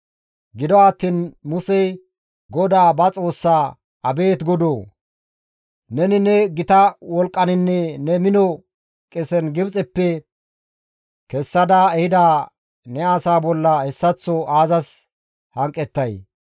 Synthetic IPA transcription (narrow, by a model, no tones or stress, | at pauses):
ɡɪd̪ɔat̪ːiːnmʊsɛj | ɡɔd̪aːbɐt͡sʼo̞ːsːaː | ɐbe̞ːt̪ɡɔd̪oː | nɛnɪnɛɡɪt̪ɐwɔlkʼːɐnɪnːɛnɛmɪnɔ | kʼɛsɛnɡɪbt͡sʼɛpːɛ | kɛsːɐd̪aɛhɪd̪aː | nɛaːsaːbɔlːɐhɛsːɐt͡sːɔaːzɐs | hɐŋkʼːɛt̪ːɐj